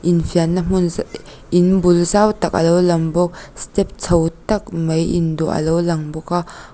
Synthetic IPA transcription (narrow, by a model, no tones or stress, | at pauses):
ʔinfiɐnːɐm̥un | ʔinbulzawt̪ɐk̚ɐ̰lowlɐŋbɔk̚stɛp̚t͡sʰɐwtɐk̚mɐjʔindɔʔɐ̰lowlɐŋbɔka